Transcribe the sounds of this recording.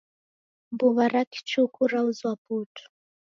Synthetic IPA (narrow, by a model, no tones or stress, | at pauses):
mbuβaɾaki̥t͡ʃukuɾauzwaputʰu̥